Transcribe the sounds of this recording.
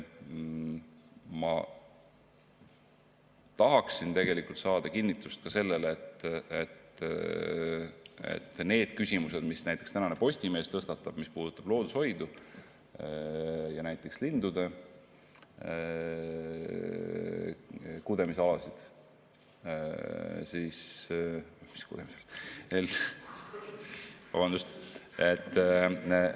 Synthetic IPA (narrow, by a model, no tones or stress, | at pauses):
mɑ | t̪ɑɦɑksint̪e̞ɡe̞likult̪sɑːd̪̥ɑkinːit̪ːˑust̪̚kɑse̞lːe̞let̪ːet̪ | ḛt̪ːne̞ːd̪̥kysʲimuse̞d̪̥misnæjt̪ːˑekst̪ænɑnepo̞sʲt̪ime̞ːst̪ɤ̞st̪ɑt̪ːˑɑb̥mispuːd̪ut̪ːˑɑb̥lo̞ːd̪̥usho̞jd̪̥u | jɑnæjt̪ˑːe̞kslind̪ud̪e̞ | kud̪e̞miseɑlɑsid̪̥ | siːs | mi̥skud̪̥emiselel | vɑ̰bɑnd̪ust̪ | et̪ː